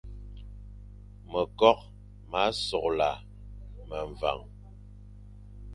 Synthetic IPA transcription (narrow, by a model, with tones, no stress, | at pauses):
mə˨kɔ˦k̚ | ma˦sɔ˨kla˨ | mə˨ɱ˨va̰˨ŋ